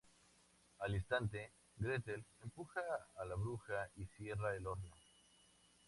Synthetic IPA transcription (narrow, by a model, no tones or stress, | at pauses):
alinst̪ant̪e̞ | ɡɾe̞t̪elempuxaːlaβɾuxaisje̞raelo̞ɾno